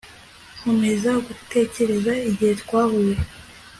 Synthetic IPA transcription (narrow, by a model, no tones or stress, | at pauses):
humezaɡute̞ːce̞ɾe̞zaiɟihetkwaːβuje